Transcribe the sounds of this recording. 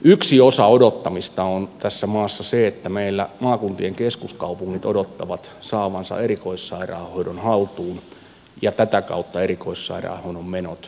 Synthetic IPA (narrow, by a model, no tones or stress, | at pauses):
yksiosɑodot̪ːɑmist̪ɑont̪æsːæmɑːsːɑseet̪ːæmeilːæmɑːkunt̪ieŋkeskuskɑupuŋːit̪odot̪ːɑʋɑt̪sɑːʋɑnsɑ̰eɾikoisːɑirɑ̰ːhoidonhɑlt̪uːn | jɑt̪æt̪ækɑ̰ut̪ːɑerikoissɑ̰irɑ̰ːhoinommenot̪